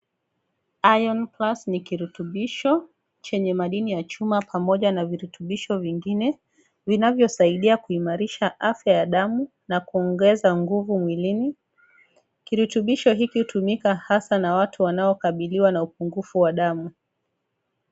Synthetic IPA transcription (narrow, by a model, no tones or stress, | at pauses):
ajɔnplasnikiɾutuɓiʃɔ | t͡ʃɛɲɛmaɗinijat͡ʃumapʰamɔʄanaviɾutuɓiʃɔviŋɡinɛ | vinavjɔsaiɗiakuimaɾiʃaʔafjajaɗamu | nakuɔŋɡɛzaŋɡuvumwilini | kiɾutuɓiʃɔɦikihutumikahasanawatʰuwanaɔkaɓiliwanaupuŋɡufuwaɗamu